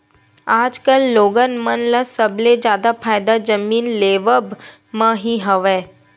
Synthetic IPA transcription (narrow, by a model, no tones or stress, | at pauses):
aːd͡ʒkəlːoːɡənmənləsɐbled͡ʒjaːd̪apʰaːjd̪ad͡ʒɐmiːnleːʋəb | mə̃ɦiɦɐʋeː